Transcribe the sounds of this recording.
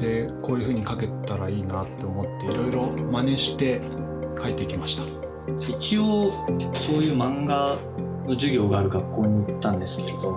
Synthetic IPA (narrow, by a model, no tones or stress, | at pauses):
d̪̥e̞ko̞ːjɯ̟ɸɯ̟ːɲ̟ikake̞t̪ːaɾaiːnat̪ːe̞omo̞t̪ːe̞iɾo̞iɾo̞mane̞ɕi̥t̪e̞ | kʰaet̪ːekʲimaɕi̥t̪ḁ | it͡ɕioːso̞ːjɯ̟ːmãŋɡa | no̞d͡ʑɨɡʲo̞ːɡaːɾɯ̟ɡakːo̞ːɲ̟iit̪ːãnd̪e̞sɨ̥ke̞ɾe̞d̪o̞